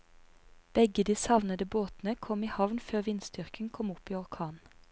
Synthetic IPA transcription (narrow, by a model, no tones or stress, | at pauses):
b̥ɛɡəd̪iːsɑʋnəd̪əboːt̪n̩əkʰɔmiːhɑʋnføːʁʋɪnsd̪ʏʁkəŋ̩kʰɔmʊpiːɔʁkʰɑːn